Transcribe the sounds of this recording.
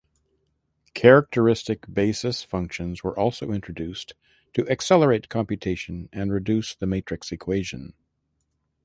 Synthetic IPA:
kʰɛɹɨk̚tʰə˞ɪstɨkb̥eɪsɨsfʌ̃ŋkʃɨ̃nzwə˞ʔɔlˠsoʊɪ̃nt͡ʃɹ̥ɨdʉs | tʰɨʔɨksɛlˠə˞eɪt̚kʰɑ̃mpjɨtʰeɪʃɨ̃nɨ̃nɹɨdʉsðɨmeɪt͡ʃɹ̥ɨksɨkʰw̥eɪʒɨ̰̃n

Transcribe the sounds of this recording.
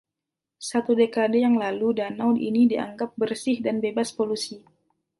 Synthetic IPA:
sat̪udekadejaŋlaludanawdḭnidia̰ŋɡap̚bərsɪhdanbebaspolusi

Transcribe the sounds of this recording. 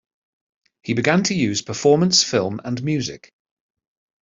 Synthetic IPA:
hibɪɡãntʰəjʉːz̥pʰəfɔːmə̃nsfɪlˠmə̰̃nmjʉːzɪ̰k

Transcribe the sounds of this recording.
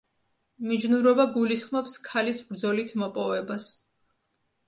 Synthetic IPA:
mid͡ʒnuɾɔbaɡulisχmɔpskʰalisbɾd̪zɔlit̪ʰmɔpʼɔvɛbas

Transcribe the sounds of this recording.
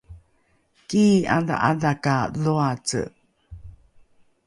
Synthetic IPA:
kiːad̪a̰ʔadakaðoat͡sɨ̰

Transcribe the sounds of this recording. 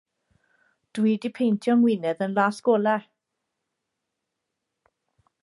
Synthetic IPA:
d̥widipʰejntʰjɔŋwɪnɛðənlˠaːsɡ̥oːlˠɛr

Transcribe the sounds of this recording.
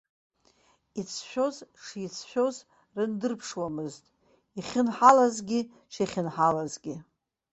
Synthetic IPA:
it͡sʰʃʷᶣo̞zʂijt͡sʰʃʷᶣo̞z | rɨndɨrpʰʂwamɨztʼ | iχʲɪnħalazɡʲi | ʂaχʲɪnħalazɡʲi

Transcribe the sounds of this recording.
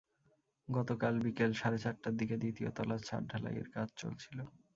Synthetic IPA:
ɡɔt̪okalbikelʃaɾet͡ɕaʈʈːad̪iked̪it̪io̰t̪ɔlat͡ɕʰa̰ɾɖʱala̰jḛɾkad͡ʑʱt͡ɕo̰lt͡ɕʰilo

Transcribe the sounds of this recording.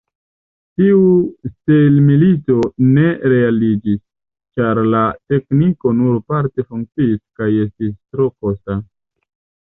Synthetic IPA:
tiustelmilito̞ne̞ɾe̞alid͡ʒis | t͡ʃaɾlate̞kniko̞nuɾpaɾte̞fuŋk̚t͡siːskaje̞stistɾo̞ko̞sta

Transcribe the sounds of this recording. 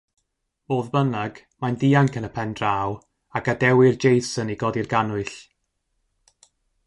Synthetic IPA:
boːðbənaɡ̥ | mandiːaŋkʰənəpʰɛndraw | akadɛwɪrd͡ʒejsəniɡɔdirɡanʊɨɬ

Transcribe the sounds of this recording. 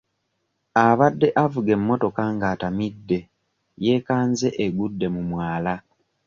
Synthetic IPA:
aβadːe̞ʔavuɡe̞mːo̞to̞kaŋɡaːtamidːe̞ | je̞ːkaːnze̞ʔeɡudːe̞mumwaːla

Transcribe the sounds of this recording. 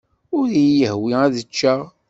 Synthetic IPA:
ʊɾijəhwiæðət͡ʃːa

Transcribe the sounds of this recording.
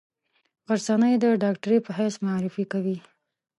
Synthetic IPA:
ɣaɾsɑnəjd̪əɖɑk̚ʈaɾepəɦajsmaɾifikawi

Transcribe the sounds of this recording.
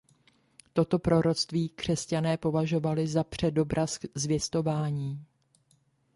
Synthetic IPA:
t̪o̞t̪o̞pɾo̞ɾo̞t͡st̪viːkr̝̥ɛscanɛːpo̞vaʒo̞valɪzapr̝̥ɛdo̞bɾʔaszvjɛst̪o̞vaːɲiː

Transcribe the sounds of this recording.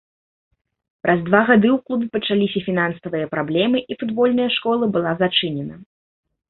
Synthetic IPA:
pɾʔɐzd̪vaɣad̪ɨwklˠubʲpɐt͡ʂalʲisʲɐfʲinansɐvɨjɐpɾablʲɛmɨʔifud̪bɔlʲnɐjɐʂkɔlˠɐbɨlˠazat͡ʂɨnʲɛnɐ

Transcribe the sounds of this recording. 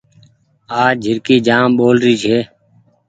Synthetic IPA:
aːd͡ʒʱɪɾkiːd͡ʒaːmɓoːlɾiːt͡ʃʰeː

